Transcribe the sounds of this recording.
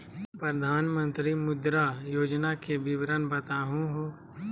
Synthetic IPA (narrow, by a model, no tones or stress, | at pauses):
pɾəd̪ʱaːnmə̃nt̪ɾimʊd̪ɾajoːd͡ʒnakebɪʋɾənbɐt̪aːɦũɦõː